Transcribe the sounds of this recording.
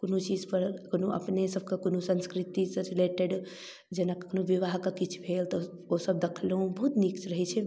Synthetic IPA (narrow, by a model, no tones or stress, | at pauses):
konut͡ʃid͡ʒpəɾkonoʔə̰pnesəb̚ʱkakonusə̃nskɾit̪isəɾileʈeɖ | d͡ʒenakkonuʋiʋaɦkakit͡ʃʰu̥bʱelt̪ɔ | osəb̚d̪ekʰlɦũbəɦut̪nikt͡ʃɾəɦɛt͡ʃʰɛ